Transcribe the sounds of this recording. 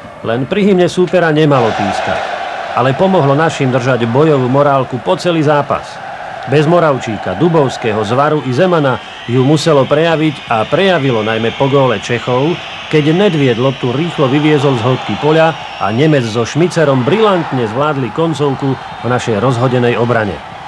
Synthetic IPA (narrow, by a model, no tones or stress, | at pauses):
lɛnpɾiɦimɲɛsuːpɛɾaɲɛmalɔt̪iːska̰cʔalɛpɔmɔɦlɔnaʃimd̪r̩ʒaɟbɔjɔʋuːmɔɾaːlkupɔt͡sɛliːzaːpa̰s | bɛzmɔɾaʊt͡ʃiːkad̪ubɔʊskɛɦɔzʋaɾuʔizɛmana | jumusɛlɔpɾɛjaʋiɟapɾɛjaʋilɔnajmɛpɔɡɔːlɛt͡ʃɛxɔʊ | kɛɟnɛd̪ʋɪɛd̪lɔt̪uɾiːxlɔʋiʋɪɛzɔlzɦɔt̪̚kipɔʎa | a̰ɲɛmɛd͡zzɔʃmit͡sɛɾɔmbɾilant̪ɲɛzʋlaːd̪likɔnt͡sɔʊku | vnaʃɛjɾɔzɦɔɟɛnɛjɔbɾaɲɛ̰